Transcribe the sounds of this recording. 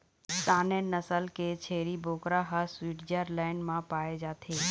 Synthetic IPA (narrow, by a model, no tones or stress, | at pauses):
saːnenɐsəlkʰeːt͡ɕʰeːɾibʱoːkɾaɦaswiːʈd͡ʑəɾlaːɪnmãpaːed͡ʑaːt̪ʰeː